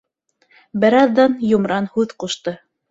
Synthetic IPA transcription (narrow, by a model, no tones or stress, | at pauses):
bɘ̆ɾɑðːɑnjŏmɾɑnhʉðquʃt̪ɤ